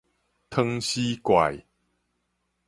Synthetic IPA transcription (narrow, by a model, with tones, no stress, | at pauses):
t̪ʰə˧ŋɕi˦kwa̰˨j